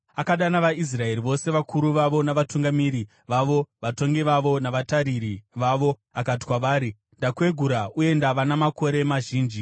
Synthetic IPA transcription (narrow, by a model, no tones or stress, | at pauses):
akaɗanaʋais̬rae̞ɾiʋo̞se̞ʋakʰuɾuʋaʋo̞naʋatuŋɡamiɾi | ʋaʋo̞ʋato̞ŋɡiʋaʋo̞naʋataɾiɾiʋaʋo̞ | akati̥kwaʋaːɾi | ndakwe̞ɡʱuɾaue̞ndaʋanamako̞ɾemaʒiːnd͡ʒi